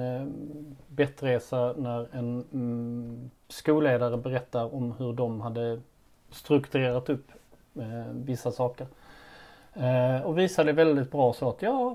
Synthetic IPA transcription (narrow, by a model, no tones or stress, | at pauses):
bɛt̪ɾeːsanæɾɛn | skuːleːd̪aɾəbɛɾɛt̪ːaɾɔmhɵɖɔmhad̪ːə | st̪ɾɵkt̪ɵɾeːɾat̪ɵpː | vɪsːasɑːkəɾ | ɔviːsad̪ɛvɛld̪ɪt̪̚bɾɑːsɔat̪jɑː